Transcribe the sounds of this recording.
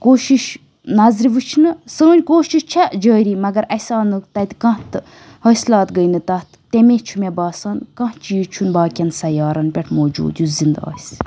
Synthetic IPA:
koːʃiʃ | nɐzɾʋɨt͡ʃʰinɨsəːnʲkoːʃiʃt͡ʃʰɐd͡ʒəːɾiːmɐɡɐɾɐsaːnɨt̪ɐt̪ʲkɐ̃ht̪ɨ | hɐslaːt̪ɡəjnɨt̪ɐt̪t̪emeːt͡ʃʰumebaːsɐːnkɐ̃ht͡ʃijt͡ʃʰunbaːkʲɐnsɐjɑːɾɐnpʲɛʈʰmoːd͡ʒṵːd̪juzind̪a̰ːsʲ

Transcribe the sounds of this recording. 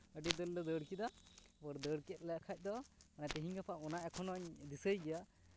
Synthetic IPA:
əɖid̪əlːɔd̪əɽkid̪abəɾd̪əɽkɛt̪̚lɛkʰac̪̚ˀd̪ɔmanajp̪iɦiɲɡapʰaʔɔnaʔɛkʰɔnɔɲd̪isəjɡɛjaʔ

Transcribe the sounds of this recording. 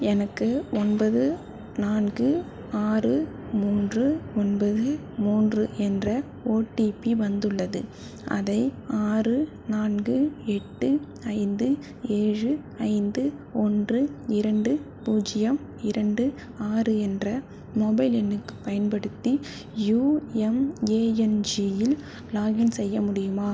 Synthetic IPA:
ɛnɐkːɯɔnbɐðɯ | naːnɡɯ | aːrɯ | muːndrɯɔnbɐðɯ | muːndrɯʔɛndrɐ | oːʈːipiʋɐnd̪ɯɭːɐðɯ̰ | ʔɐ̰ðɐɪaːrɯ | naːnɡɯɛʈːɯ | ɐɪnd̪ɯ | eːɻɯ | ɐɪnd̪ɯ | ɔndrɯɪɾɐɳɖɯ | puːd͡ʒɪjɐm | ɪɾɐɳɖɯ | aːrɯɛndrɐ | moːbɐɪlɛnːɯkːɯ̥pːɐjɐnpɐɽɯt̪ːi | juːɛmeːɛnd͡ʒijɪl | laːjɐnsɛjːɐmʊɽɪjɯmaː

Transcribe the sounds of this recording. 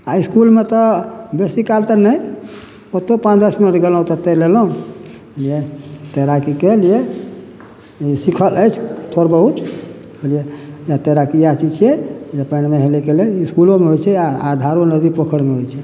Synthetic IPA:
aiskulmet̪ɔbesikalt̪ənəj | ot̪opãt͡ʃʰd̪əsminəʈɡelɦũt̪ɔt̪eɾlelɦũ | olijet̪eɾakikelije | isikʰələjt͡ʃʰt̪ʰoɾbəɦut̪ | olijejat̪eɾakijat͡ʃit͡ʃʰiɛjapənmeɦelekeleliskulomeɦojt͡ʃʰɛaad̪ʱaɾonəd̪ipokʰəɾmeɦojt͡ʃʰɛ

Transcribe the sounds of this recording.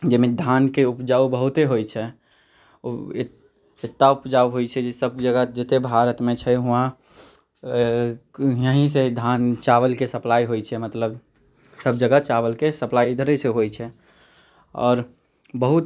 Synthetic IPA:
d͡ʒemẽd̪ʱankeʊpd͡ʒaːubəɦʊt̪eɦojt͡ʃʰɛ | ɪt̪ːaʊpd͡ʒaːuɦoit͡ʃʰɛd͡ʒesəb̚d͡ʒəɡəd͡ʒet̪ebʱaɾət̪mẽt͡ʃʰɛɦʊã | jəɦĩsed̪ʱant͡ʃaʋəlkesəplaːiɦoit͡ʃʰɛmət̪ləb | səb̚d͡ʒəɡət͡ʃaʋəlkesəplaːid̪əɾeseɦojt͡ʃʰɛ | ɔ̰ːɾ | bəɦut̪

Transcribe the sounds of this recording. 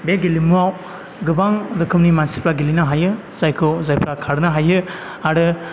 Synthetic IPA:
beɡelimuaw | ɡɯbaŋdɯkʰɯmnimansi̥pɾaɡilinaɦajɯ | z̥ajkʰɯwzajpʰɾakʰaɾɯnaɦajɯ | aɾɯ

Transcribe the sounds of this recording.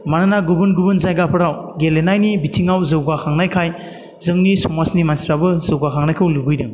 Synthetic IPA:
mananaɡubɯnɡubɯnzajɡapʰɯɾawɡelenajnibitʰiŋawzɯwɡakʰaŋnajkʰaj | zɯŋnisɔmasnimansɾabɯzɯwɡakʰaŋnajkʰɯwluɡɯjdɯŋ

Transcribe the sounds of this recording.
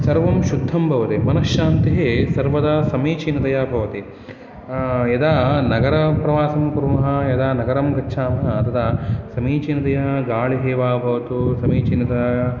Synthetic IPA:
sɐɾʋɐmʃud̪ʱːɐmbʱɐʋɐt̪emɐnɐʃʃaːnt̪iɦeːsɐɾʋɐd̪ɐsɐmiːt͡ʃinɐd̪ɐjabʱɐʋɐt̪i | jɐd̪aːnɐɡɐɾɐpɾɐʋaːsɐmpuɾmɐɦɐ̆jɐd̪aːnɐɡɐɾɐmɡɐtːʃʰaːmɐɦɐɐt̪ɐd̪ɐsɐmiːt͡ʃinɐd̪ɐjɐɡaːɭiɦeːʋaːbʱɐʋɐt̪usɐmiːt͡ʃinɐd̪ɐja

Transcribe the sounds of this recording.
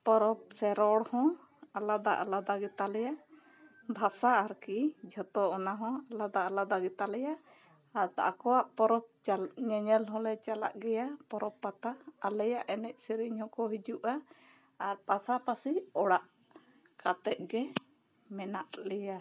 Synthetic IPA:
pɔɾɔp̚sɛɾɔɽhɔ̃ | alad̪aʔa̰lad̪aɡɛt̪alɛja | bʱasaːɾkid͡ʒʱɔt̪ɔɔnaɦɔ̃alad̪aːlad̪aɡɛt̪alɛjaː | ɾt̪a̰ʔakɔwaʔpɔɾɔp̚ɲɛɲɛlɦɔ̃lɛt͡ʃala̰ʔɡɛjapɔɾɔpːat̪aːlɛjaʔɛnɛc̚ˀsɛɾiɲhɔ̃kɔɦid͡ʒuʔaː | ɾpasapasiɔɽaʔ | kat̪ɛʔ̪̚ɡɛ | mɛnaʔlɛja

